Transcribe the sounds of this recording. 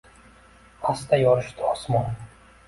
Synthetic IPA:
ast̪ajɒɾɪʃt̪ʰɪɒsmɒn

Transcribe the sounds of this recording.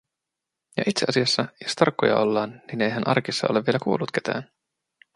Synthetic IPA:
jɑ̰ʔit̪seɑsiɑsːɑjost̪ɑrkːojɑ̰ʔo̞lːɑːnːine̞jɦænʔɑ̰rkisːɑ̰ʔo̞le̞ʋielækuːlːut̪ke̞t̪æ̰ːn

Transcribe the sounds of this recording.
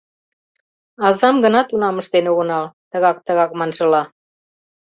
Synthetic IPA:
ɑzɑmɡənɑt̪unɑməʃt̪enuɣə̆nɑlt̪əɣɑk̚t̪əɣɑkmɑnʒə̆lɑ

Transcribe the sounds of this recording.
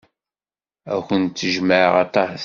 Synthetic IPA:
æçənt̪ːəʒməʕʁɑt̪ˤːɑħθ

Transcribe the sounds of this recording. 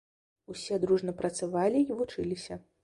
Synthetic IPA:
usʲɛd̪ɾuʐnɐpɾɐt̪savalʲiivut͡ʂɨlʲisʲɐ

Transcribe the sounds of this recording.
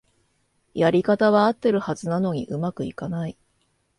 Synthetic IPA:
jaɾʲikat̪aβaːt̪ːe̞ɾɯ̟hazɨnano̞ɲ̟ḭʔɯ̟makɯ̟ḭkanai

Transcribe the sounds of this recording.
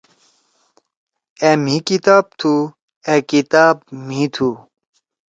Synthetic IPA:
em̤ikit̪aːb̚t̪ʰu | ekit̪aːb̚mĩt̪ʰu

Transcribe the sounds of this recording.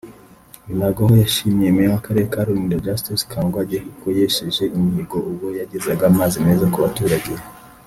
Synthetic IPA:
inaɡahojaʃimjemewakaɾe̞ɾekaɾuɾundad͡ʒastiskʰaːŋɡwaɟekukoje̞ʃeʒe̞ʔimhiɡo̞ʔuβo̞jaɟezaɡaːmaːzime̞ːzakuβatuɾaɡiɾe

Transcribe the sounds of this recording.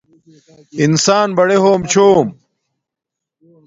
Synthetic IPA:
insaːnbɐɽeɦoːmt͡ɕʰoːm

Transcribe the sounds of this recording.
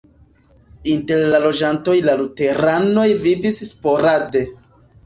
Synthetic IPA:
inte̞ɾlalo̞d͡ʒanto̞jlalute̞ɾano̞jvivisːpo̞ɾade̞

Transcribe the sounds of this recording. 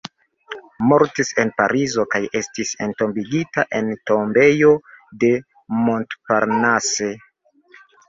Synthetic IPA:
mo̞ɾtise̞npaɾizo̞kaje̞stise̞nto̞mbiɡitaʔe̞nto̞mbe̞jode̞ | mo̞ntpaɾnase̞

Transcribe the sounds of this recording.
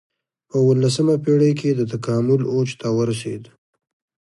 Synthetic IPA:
pəwəlːasəmapeɽəjk̬ʰed̪ət̪akɑmʊlot͡ʃt̪awəɾasḛd̪

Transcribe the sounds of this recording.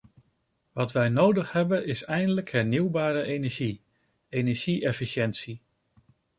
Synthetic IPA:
ʋɑtʋɛjnowdəχɦɛbənɪsɛjndələkɦɛɹniwbaːɾəʔejnɛɹʒi | ejnɛɹʒ̥iʔɛfiʃɛntsi

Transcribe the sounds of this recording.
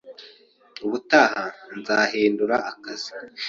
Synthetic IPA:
uβutaːhanzaːɦiːnduɾaʔːkazi

